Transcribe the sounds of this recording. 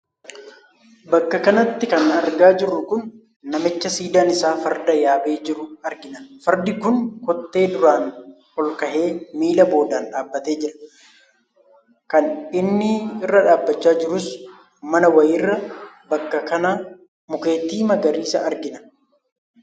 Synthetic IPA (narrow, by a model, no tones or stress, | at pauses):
bɐkːɐkɐnɐt̪ːɪkɐnɐɾɡaːd͡ʒɪɾːʊkʊnː | ɐmɪt͡ʃːɐsiːd̪aːnɪsaːfɐɾd̪ɐjaːbe̞ːd͡ʒɪɾʊɐɾɡɪnɐnfɐɾd̪ɪkʊnkɔt̪ːe̞ːd̪ʊɾaːn | hɔlkɐhe̞ːmiːlɐbo̞ːd̪aːnᶑaːbːɐt̪e̞ːd͡ʒɪɾɐ̥ | kɐnɪnːɪɪrːɐᶑaːbːɐt͡ʃːaːd͡ʒɪɾʊs | mɐnɐwɐjɪrːɐbɐkːɐkɐnaː | mʊke̞ːt̪iːmɐɡɐɾiːsɐ̰ʔɐɾɡɪnɐn